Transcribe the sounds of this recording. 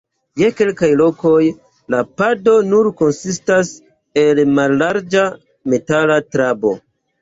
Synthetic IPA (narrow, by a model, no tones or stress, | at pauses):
je̞ke̞lkajlo̞ko̞j | lapado̞nuɾko̞nsistas | elmalːaɾd͡ʒa | me̞talatɾabo̞̰